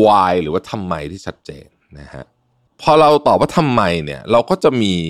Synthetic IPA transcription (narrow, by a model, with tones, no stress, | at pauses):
waː˧jɾɯː˩˦wa˥˩t̪ʰa˧mːa˧jt̪ʰiː˥˩a˦˥t̪̚t͡ɕḛː˧nːa˦˥hʰa̰˦˥ʔ | pʰɔː˧ɾa˧wt̪ɔː˨˩p̚waː˥˩t̪ʰa˧mːa˧jnḭ˥˩ɐɾa˧wkɔː˥˩t͡ɕa˨˩ʔmiː˧